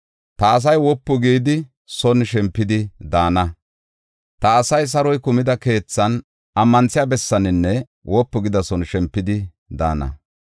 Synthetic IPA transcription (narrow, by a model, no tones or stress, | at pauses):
t̪ɐːs̬ɐjwɔpːʊɡiːd̪ɪ | sɔnʃɛmpːɪd̪ɪd̪aːnɐ | t̪ɐːsɐjs̬ɐɾɔjkʊmɪd̪ɐke̞ːt͡sːɐn | ɐmːɐnt͡sːɪjabɛsːɐnɪnːɛ | wɔpːɔɡɪd̪ɐsɔnʃɛmpːɪd̪ɪ | d̪a̰ːnɐ̰